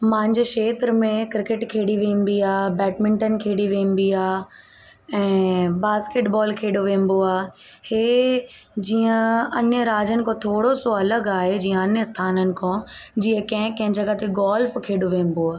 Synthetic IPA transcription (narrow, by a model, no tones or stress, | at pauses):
mãːɪ̃ɲd͡ʑʃeːt̪ɾmẽkɾɪkɪʈkʰeːɽiʋẽːm̆b̪iaːbɛːʈmɪ̃ɳʈən̆kʰeːɽiʋẽːmb̪iaː | ɛ̃ːbaːskeːʈbɔːlkʰeːɖoʋẽːmboaːheː | d͡ʑiːə̃ɐɲəɾaːd͡ʒənɪ̆kʰõt̪ʰoːɽosoɐləɡaːɦed͡ʑiːə̃ɐnəst̪ʰaːnənɪ̆kʰõd͡ʑiːə̃kɐ̃ɦɪ̃kɐ̃ɦɪ̃d͡ʑɐɡat̪ʰeɡaːlfkʰeːɽoʋẽːm̆boaː